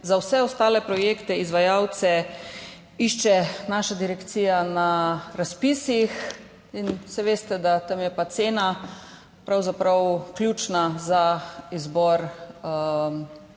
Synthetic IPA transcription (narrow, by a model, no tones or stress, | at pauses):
zawsɛɔst̪aːlɛpɾɔjeːkt̪ɛizʋajawt̪sɛ | iʃt͡ʃɛnaːʃad̪iɾɛkt̪siːjanaɾaspisix | insɛʋeːst̪ɛd̪at̪amjɛpat̪seːna | pɾawzapɾawkljuːt͡ʃnazaizbɔɾ